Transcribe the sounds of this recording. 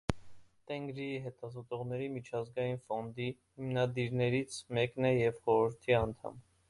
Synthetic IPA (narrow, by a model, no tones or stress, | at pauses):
t̪ɛŋɡɾiɦɛt̪ɑzɔt̪ɔʁnɛɾimit͡ʃʰɑzɡɑjinfɔnd̪ihimnɑd̪iɾnɛɾit͡sʰmɛknɛjɛvχɔɾəɾt̪ʰiɑnt̪ʰɑ̰m